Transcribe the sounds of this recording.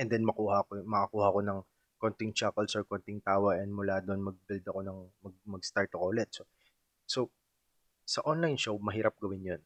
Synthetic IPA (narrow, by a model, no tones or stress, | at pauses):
ʔɛnd̪ɛnmɐkuːhɐkomɐʔɐkuːhɐko̞nɐŋ | kont̪ɪŋt͡ʃakɛlsoɹkont̪ɪŋt̪aːwɐɡʔɛnd̪mʊlaːd̪oʔonmɐɡ̚bɪld̪ɐko̞nɐŋmɐɡmɐɡst̪aɹt̪ːɐkolɛt̪̚so | so | sɐʔonlajnʃowmɐɦiːɾɐp̚ɡɐwɪnjon